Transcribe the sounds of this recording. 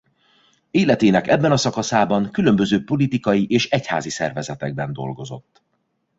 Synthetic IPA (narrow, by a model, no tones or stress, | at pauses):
eːlɛt̪eːnɛkɛbːɛnɒsɒkɒsaːbɒŋkylø̞mbø̞zøːpo̞lit̪ikɒjiʔeːʃɛcha̰ːzisɛ̰rvɛzɛt̪ɛɡ̚bɛnd̪o̞̰lɡo̞zo̞̰t̪ː